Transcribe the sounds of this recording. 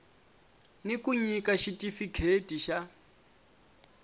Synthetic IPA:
nikuɲikaʃitʼifikʰetʼiʃa

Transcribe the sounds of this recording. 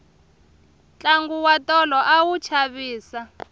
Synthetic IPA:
t͡ɬʼaŋɡuwatʼɔlɔʔawut͡ʃʰaβiːsa

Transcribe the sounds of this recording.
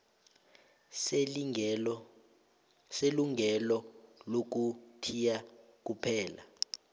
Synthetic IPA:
seluŋʱɛlɔlok̬utʰija | k̬upʰɛːla̰

